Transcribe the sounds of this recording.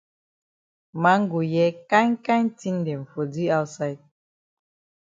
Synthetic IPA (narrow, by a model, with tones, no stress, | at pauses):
ma˨˦ŋ̩˦ɡu˨jɛ˦ka˦ŋ˦ka˦ɲ˦ti˦n˦de˨ɱ̩˨fo˨di˦a˦wtsa˦jt̚